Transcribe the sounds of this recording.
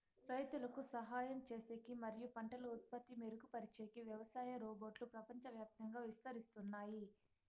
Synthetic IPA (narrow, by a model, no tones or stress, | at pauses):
ɾɐjɐt̪ulɐkusɐɦaːjɐmt͡ʃe̞ːseːkimɐɾijupɐɳʈɐlɐut̪̚pɐt̪ːimeɾukupɐɾit͡ʃeːkiʋjɐʋɐsaːjɐɾoːboːʈlupɾɐpɐɲt͡ʃɐʋjaːp̚t̪ɐŋɡaːʋist̪ɐɾist̪unːaːji